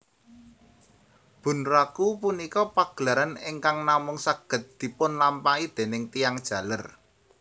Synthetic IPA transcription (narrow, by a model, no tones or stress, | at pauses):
b̥ṳnrakupunikɔpaɡ̥laɾanɪŋkaŋnamʊŋsaɡ̥ə̤t̪̚d̪̥i̤pʊnlampaid̪̥e̤nɪŋt̪ijaŋd̥ʒ̥ä̤lər